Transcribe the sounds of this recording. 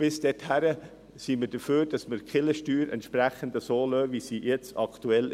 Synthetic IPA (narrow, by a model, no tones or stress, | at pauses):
b̥ɪsd̥ɛthæɾə | siːməd̥əføːɾd̥ɑsməɾkχɪləʃtyːɾʔɛ̰ntʃpɾæχəndəsoːløːvisiːjɛt͡sɑktuɛl